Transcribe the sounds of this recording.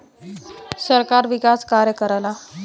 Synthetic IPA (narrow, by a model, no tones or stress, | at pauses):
səɾkaɾʋikaskaɾjəkəɾajla